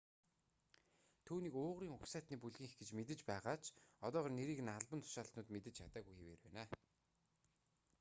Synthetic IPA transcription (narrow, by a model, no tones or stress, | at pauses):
t̪ʰuːniːkʊːʁɾiːŋʊksæːt̪niːpuɮɣiːŋɡet͡ɕmet̪̬ɘ̆t͡ɕpæːʁaːt͡ɕʰɔt̪ɔːʁɔːrneɾiːkɘ̆naɮpə̆nt̪ʰʊ̥ʃaːɬt̪nʊːt̪met̪ɘ̆t͡ɕt͡ɕʰat̪aːɣujxeweːrpæ̰ːnaː